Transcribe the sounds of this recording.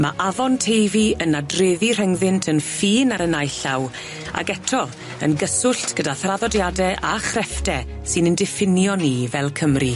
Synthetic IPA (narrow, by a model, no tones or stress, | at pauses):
maʔavɔntʰejviənadreːðir̥ɛŋðɪntʰənfiːnaɾənajɬaw | a̰ɡɛtʰɔ | ə̰nɡəsʊɬtʰɡ̥ədaθraðɔdjadɛʔaχrɛfdɛ | sɨnəndɪfɪnjɔnivɛlˠkʰəmri